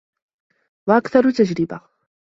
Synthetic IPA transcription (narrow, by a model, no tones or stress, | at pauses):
waʔakθɑɾˤʊt̪ad͡ʒɾɪba